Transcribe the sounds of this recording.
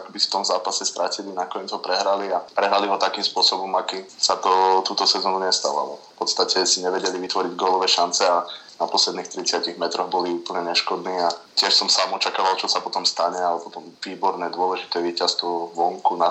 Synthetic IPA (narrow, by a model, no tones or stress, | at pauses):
akbi̥ft̪ɔmzaːpasɛst̪ɾacilinakɔɲɛd͡zɦɔpɾɛɦɾaliapɾɛɦɾaliɦɔt̪akiːmspʊɔsɔbɔmakisat̪ɔt̪uːt̪ɔsɛzɔnuɲɛst̪a̰ʋa̰lɔ̰fpɔt̪st̪acɛsiɲɛʋɛɟɛliʋit̪ʋɔɾiɟɡɔːlɔʋɛːʃant͡sɛanapɔslɛd̪niːxt̪ɾit͡sɪaciɣmɛt̪ɾɔɣbɔliuːpl̩ɲɛɲɛʃkɔd̪niːacɪɛʃsɔmsaːmɔt͡ʃakaːʋalt͡ʃɔsapɔt̪ɔmst̪aɲɛalɛpɔt̪ɔmʋiːbɔɾnɛːd̪ʊɔlɛʒit̪ɛːʋiːcast̪ʋɔʋɔŋkuna